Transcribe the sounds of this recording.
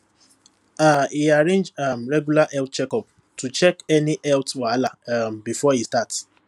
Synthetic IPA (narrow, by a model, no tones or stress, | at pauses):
aiaɹẽnd͡ʒamɹɛɡjulaʔɛlt̚t͡ʃɛkɔp | tut͡ʃɛkɛniʔɛltwalambifɔistats